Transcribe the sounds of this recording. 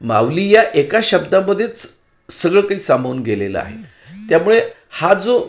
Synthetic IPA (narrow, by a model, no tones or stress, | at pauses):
ma̰ʋliːjaʔekaɕəbd̪aməd̪ʱːjet͡s | səɡɭəkaɦiːsambʱəuːnɡelelə̰a̰ɦḛ | t̪jamuɭe | had͡zo